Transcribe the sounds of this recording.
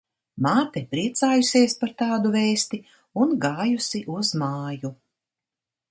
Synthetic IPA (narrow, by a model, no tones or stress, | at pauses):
maːt̪ɛpɾiɛt̪saːjuseɛspaɾt̪aːd̪uvɛːst̪i | unɡaːjusiʔuzmaːju